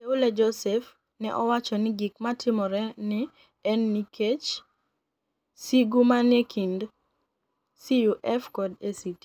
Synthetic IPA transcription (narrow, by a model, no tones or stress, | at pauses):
eulɛd͡ʒɔsɛf | nɛ̰ʔɔwat͡ʃɔnɪɡikmatɪmɔɾɛnɪ | ɛnːikʰet͡ʃ | siɡumanekʰind | sijuʔɛfkɔdesit